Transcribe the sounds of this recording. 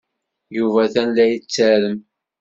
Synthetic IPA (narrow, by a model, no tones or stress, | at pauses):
juvæθænlæjət͡sːæɾəm